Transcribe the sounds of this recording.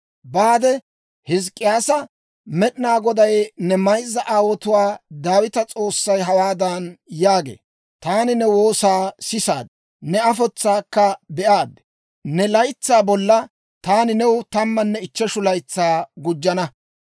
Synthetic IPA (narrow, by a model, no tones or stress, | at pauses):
baːd̪ɛ | hɪs̬kʼːɪjaːsɐ | mɛɗɪnaːɡɔd̪ɐjnɛmɐjzːɐʔaːwɔt̪ʊwaːd̪aːwɪt̪ɐt͡sʼo̞ːsːɐjɦɐwaːd̪ɐnjaːɡḛː | t̪aːnɪnɛwoːsaːsɪsa̰ːd̪ | nɛɐfɔt͡sːaːkːɐbɛʔaːd̪ɛ | nɛlɐjt͡sːaːbɔlːɐ | t̪aːnɪnɛwt̪ɐmːɐnːɛɪt͡ʃːɛʃʊlɐjt͡sːaːɡʊd͡ʒːɐnɐ